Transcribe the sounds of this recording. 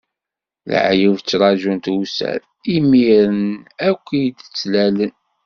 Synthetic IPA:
l̰ʕjivt͡sːɾˤɑʒunt̪usæ̰ɾ | imiɾənækʷːid̪ət͡sːlælən

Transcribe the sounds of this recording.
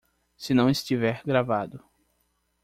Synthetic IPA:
sɪnɐ̃w̃ɪst͡ʃivɛɾɡɾavad̪ʊ

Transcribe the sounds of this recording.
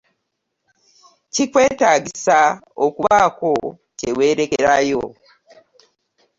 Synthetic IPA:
cikwe̞ːtaːɟisa | okuβako̞ | cewe̞ːɾe̞keɾajo̰

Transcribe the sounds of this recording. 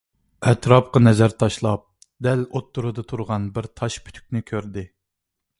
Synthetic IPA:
ɛt̪ʰɾɑp̚qɑnɛzæɾt̪ʰɑʃlˠɑp̚ | d̪ælot̪ːuɾɨd̪ɨt̪ʰuɾʁɑnbɪɾt̪ʰɑʃpʰy̥t̪ʰy̥kʲnɪkʲʰøɾd̪ɪ

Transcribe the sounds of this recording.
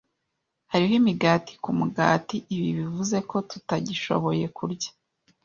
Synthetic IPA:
haɾiɦimiɡaːti̥kumuɡa̰ːtiʔiβiβivuze̞ko̞tutaɟiʃo̞̰βo̞je̞kuɾɟḁ

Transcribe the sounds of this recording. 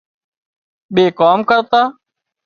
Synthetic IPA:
ɓeːkoːmkəɾt̪aː

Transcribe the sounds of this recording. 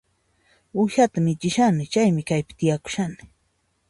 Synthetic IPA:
ʊʃat̪amɪt͡ʃɪʃanɪt͡ʃajmɪkajpɪ̥t̪ɪjakʊ̥ʃanɪ

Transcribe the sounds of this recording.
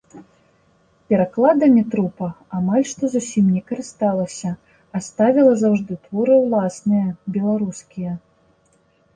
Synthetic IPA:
pʲɛɾaklˠad̪ɐmʲɛt̪ɾupɐːmalʲʂt̪ɔzusʲimnʲɛkɐɾɨst̪alˠɐsʲɐː | st̪avʲilˠɐzawʐd̪ɨt̪vɔɾɨwlˠasnɨjɐbʲɛlˠaɾuskʲijɐ

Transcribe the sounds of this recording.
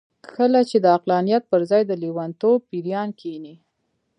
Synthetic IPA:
kəlat͡ʃed̪əaqlɑnijat̪̚pəɾzɑjd̪əliwant̪ob̚piɾjɑnkʰini

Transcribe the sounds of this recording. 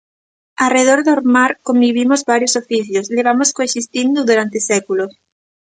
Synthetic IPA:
alreð̞oɾðoɾmaɾkombiβ̞imozβaɾjosofiθjosleβamoskoesist̪ind̪uðuɾant̪esekulos

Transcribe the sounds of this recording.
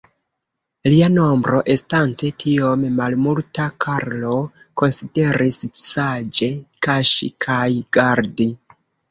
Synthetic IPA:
liano̞mbɾo̞ʔe̞stante̞tʰio̞mmalmultakʰaɾlo̞ | ko̞nside̞ɾissad͡ʒe̞kaʃḭkʰajɡ̥aɾdi

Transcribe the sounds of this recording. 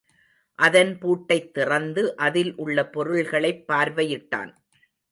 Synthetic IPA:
ʔɐðɐnpuːʈːɐɪt̪ːɪrɐnd̪ɯʔɐðɪlʔʊɭːɐpɔɾɯɭɣɐɭɐɪpːaːɾʋɐjɪʈːa̰ːn

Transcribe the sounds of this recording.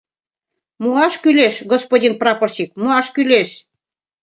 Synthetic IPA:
muɑʃkyleʃɡospodʲinprɑport͡ɕik̚muɑʃkyleʃ

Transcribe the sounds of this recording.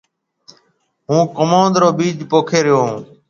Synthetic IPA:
ɦũːkomõːnd̪ɾoːbiːd͡ʒpoːkʰeːɾɪjõː

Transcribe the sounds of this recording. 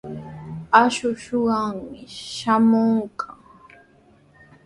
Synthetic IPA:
aʃʊʃoɢɑŋmɪʃamoŋkʰa

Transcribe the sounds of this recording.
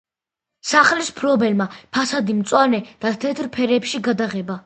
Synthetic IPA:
saχlispʰɾɔbɛlmapʰasad̪imt̪sʼwanɛd̪̥at̪ʰɛt̪ʰɾpʰɛɾɛpʃiɡad̪aʁɛba

